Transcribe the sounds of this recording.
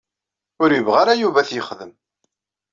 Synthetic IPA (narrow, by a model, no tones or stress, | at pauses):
ʊɾjəvʁaɾajuvæθjəχðəm